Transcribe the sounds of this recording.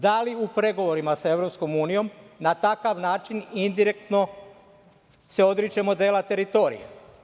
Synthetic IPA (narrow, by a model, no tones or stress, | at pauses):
d̪aliupɾe̞ɡo̞ʋoɾimasae̞ʋɾo̞psko̞muːnijo̞mnat̪akaʋnaːt͡ʃinind̪iɾek̚t̪no̞ | se̞o̞d̪ɾit͡ʃemod̪eːlat̪e̞ɾit̪o̞ːɾḭjḛ